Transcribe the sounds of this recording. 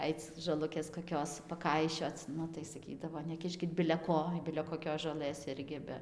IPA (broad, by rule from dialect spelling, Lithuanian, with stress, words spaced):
ˈɐɪt͡s ʒoːˈlˠʊkʲeːs koːˈkʲoːs pɐˈkɐɪʃʲoːt͡s ˈnʊ tɐɪ sɐˈkʲiːdɐʋoː nʲɛˈkʲɪʃʲkʲɪt bʲɪlʲɛ ˈkoː bʲɪlʲɛ koːˈkʲoːs ʒoːˈlˠɘs ˈɪrʲɡʲɪ ˈbʲɛ